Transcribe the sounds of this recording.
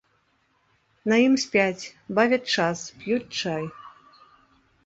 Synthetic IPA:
nɐjimsʲpʲat͡sʲbavʲɛt͡ʂaspjut̚ʲt͡ʂaj

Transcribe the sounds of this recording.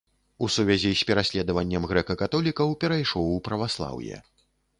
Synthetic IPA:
usuvʲazʲisʲpʲɛɾasʲlʲɛd̪ɐvɐnʲːɐmɣɾɛkɐkat̪ɔlʲikɐwpʲɛɾajʂɔwpɾɐvaslˠa̰wjɛ̰

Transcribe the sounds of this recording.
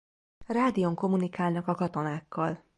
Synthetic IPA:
raːd̪ijo̞ŋko̞munikaːlnɒkɒkɒt̪o̞naːkːɒl

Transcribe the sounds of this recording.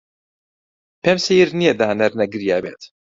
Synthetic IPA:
pʰɛmsijiɾnijɛd̪aːnɐɾnɐɡɨɾjaːbḛːt̪

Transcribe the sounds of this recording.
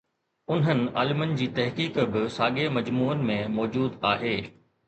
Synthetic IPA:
ʊnɦənɪ̆a̰ːlɪmənɪ̆d͡ʑiːt̪ɐɦkiːkbɪsaːɠemɐd͡ʑmuːənɪ̆mẽmɔːd͡ʑuːd̪aːɦeː

